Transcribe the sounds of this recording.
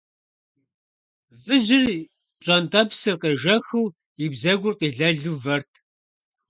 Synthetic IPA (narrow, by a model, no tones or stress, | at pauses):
vɨʒɪr | ɕʼɐntʼɐpsɨrqeʒɐxɨw | ibzɐɡʷʊrqiːɮɐɮuːvɐrtʰ